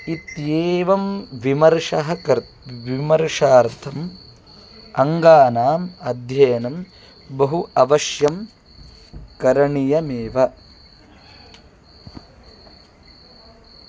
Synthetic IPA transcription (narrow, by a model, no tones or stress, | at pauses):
it̪jeːʋɐmʋimɐɾʂɐɦɐkɐɾ | ʋimɐɾʂaːɾt̪ʰɐm | ɐŋɡaːnaːmɐd̪ʱjɐjɐnɐm | bɐɦuʔɐʋɐʃjɐm | kɐɾɐɳijɐmeːʋɐ